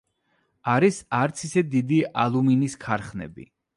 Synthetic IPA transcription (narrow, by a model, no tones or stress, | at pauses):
aɾisaɾt̪sʰisɛd̪id̪iʔalˠuminiskʰaɾχnɛ̰bḭ